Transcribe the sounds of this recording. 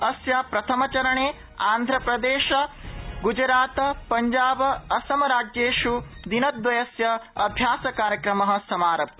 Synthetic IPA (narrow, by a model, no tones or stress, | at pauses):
ɐsjɐpɾɐt̪ʰɐmɐt͡ʃɐɾɐɳeː | aːnd̪ʱɾɐpɾɐd̪eːʃɐɡud͡ʒɾaːt̪ɐpɐɲd͡ʒaːbɐɐsɐmɐɾaːd͡ʒjeːʃud̪inɐd̪ʋɐjɐsjɐɐbʱjaːsɐkaːɾjɐkɾɐmɐɦɐ̆sɐmaːɾɐp̚